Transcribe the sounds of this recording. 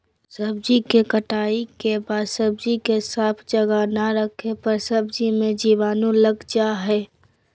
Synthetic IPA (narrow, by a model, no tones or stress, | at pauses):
səbd͡ʒikekəʈaːikebaːd̪səb̚d͡ʒikesaːpʰd͡ʒəɡanaɾəkʰepəɾsəbd͡ʒimẽd͡ʒiʋaːnõləɡd͡ʒaɦɛː